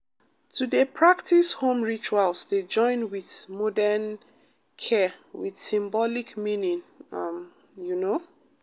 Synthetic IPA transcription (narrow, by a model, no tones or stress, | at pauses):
tʰudepʰɹaktishõmɹit͡ʃualsded͡ʒɔ̃ɪ̃nwiθmɔdɛn | kʰɛwiθsĩmbɔlikmĩnĩŋam | juno